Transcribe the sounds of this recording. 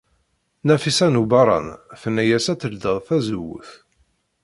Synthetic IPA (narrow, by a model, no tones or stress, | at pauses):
næfisænubɑɾˤɑ̰nθənːæjæsæt͡s̪ːəld̪əðˤθæzwə̰θ